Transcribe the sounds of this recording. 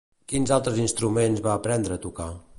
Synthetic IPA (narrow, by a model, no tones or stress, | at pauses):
kinzalˠt̪ɾəzinst̪ɾumenzβaːpɾɛnd̪ɾəːt̪uka